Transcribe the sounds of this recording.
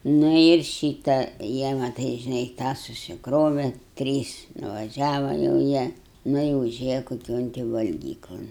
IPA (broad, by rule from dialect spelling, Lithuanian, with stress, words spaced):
ˈnʊ ɪr ˈʃʲiːtɐ ˈjiɛ mɐˈtɐɪ ʒʲɪˈnɐɪ ˈtɑː sʊsʲɪkˈroːʋʲɛ ˈtʲrʲiːs nʊʋɐˈʒʲæːʋɐ jɛʊ ˈjiɛ ˈnʊ ɪ ʊˈʒʲeːjɛ koːˈkʲoːn tʲɪ ʋɐlʲˈɡʲiːklˠoːn